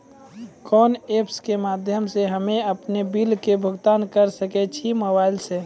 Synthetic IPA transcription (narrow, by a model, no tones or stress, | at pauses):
kɔːnepskemaːd̪ʱjəmseɦəmeəpnebilkebʱʊɡt̪aːnkəɾsəkɛt͡ʃʰiməbaɪlse